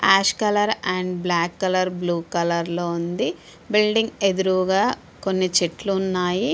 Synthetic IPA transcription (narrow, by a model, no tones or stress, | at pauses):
aːʃkɐlɐɾɐɳɖblaːkːɐlɐɾbluːkɐlɐɾlo̞ːund̪i | bilɖiŋɡe̞d̪uɾuʋɡaː | ko̞nːit͡ʃiʈluːnːaːji